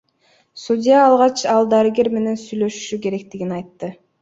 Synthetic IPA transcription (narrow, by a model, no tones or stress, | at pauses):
sudʲijaːlˠʁɑt͡ʃɑlˠd̪aɾɨɡʲe̞ɾme̞ne̞nsyjlø̞ʃy̥ʃyke̞ɾe̞k̚t̪iɡinɑjt̪ːɯ